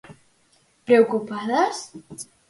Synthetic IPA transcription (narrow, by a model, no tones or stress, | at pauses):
pɾeokupaðas